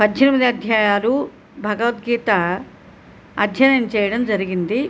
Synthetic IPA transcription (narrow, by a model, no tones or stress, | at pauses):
pɐd̪d͡ʒinimid̪iɐd̪ʱjaːjaːlu | bʱɐɡɐʋɐt̪ɡiːt̪ɐ | ɐd̪ʱjɐnɐnt͡ʃɛːjɐɽɐmd͡ʒɐɾiɡind̪i